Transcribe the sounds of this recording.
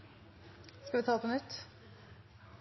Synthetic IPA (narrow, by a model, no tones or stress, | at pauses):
skɑʋɪt̪ʰɑːpʰɔnʏt̪ː